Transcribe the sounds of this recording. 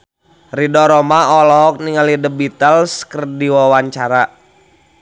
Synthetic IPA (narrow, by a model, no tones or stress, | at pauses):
ridɔɾɔmaɔlɔɦɔk̚niŋalidəbit̪əlskərdiwawaɲt͡ʃaɾa